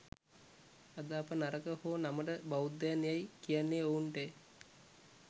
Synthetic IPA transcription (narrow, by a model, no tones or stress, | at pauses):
ad̪aːpənaɾəkəhoːnaməʈəbawud̪ːajanejajkijanːeouɳʈej